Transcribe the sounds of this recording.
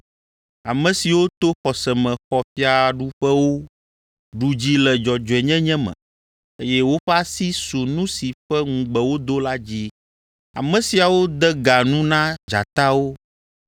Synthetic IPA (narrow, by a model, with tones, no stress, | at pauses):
a˨mɛ̃˨si˨wo˦t̪o˦xɔ˨sɛ˨mɛ̃˨xɔ˨fi˦a˨ɖu˦ɸɛ˦wo˦ | ɖu˨d͡ʑi˦lɛ˨d͡ʒɔ˨d͡ʒɔ˨ɛ˨ɲɛ̃˦ɲɛ̃˦mɛ̰̃˨ | e˦jɛ˦wo˦ɸɛ˦a˦si˦su˨nũ˦si˨ɸɛ˦ŋũ˨ɡ͡bɛ˨wo˦d̪o˦la˦d͡ʑi˦ | a̰˨mɛ̃˨si˨a˨wo˦d̪ɛ˦ɡa˨nũ˦nã˦d͡ʒa̰˨t̪a˦wo˦